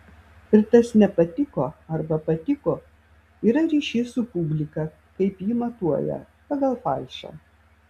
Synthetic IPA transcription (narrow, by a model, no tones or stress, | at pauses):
ɪɾt̪ɐsnʲɛpɐt̪ʲɪkoːɐɾbɐpɐt̪ʲɪkoː | iːɾɐɾʲiːʃʲeːsʊpʊbʲlʲɪkɐ | kɐɪpjiːmɐt̪uɔjɛ̰ | pɐɡɐlˠfɐˑɪʃʲo̰ː